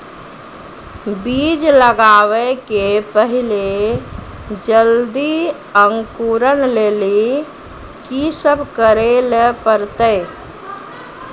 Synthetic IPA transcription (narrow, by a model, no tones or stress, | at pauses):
bid͡ʒləɡaʋekepəɦile | d͡ʒəld̪i | əŋkuɾənleli | kisəbʱkəɾelepəɾt̪əɪ